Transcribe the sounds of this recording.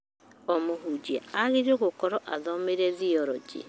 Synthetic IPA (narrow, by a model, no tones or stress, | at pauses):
ɔmoɦud͡ʒiaaɣeɾoɣokɔɾɔʔaðɔmeɾɛðiɔɾɔd͡ʒḭ